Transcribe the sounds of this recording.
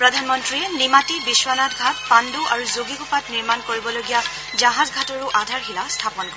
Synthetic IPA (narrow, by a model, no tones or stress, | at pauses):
pɹɔdʱanmɔntɹiɛnimatibiswanatɡʱat̚panduʔaɹuzoɡikupatniɹmankoɹibɔloɡija | zaɦazɡʱatɔɹuʔadʱaɹxilastʰapɔnɔ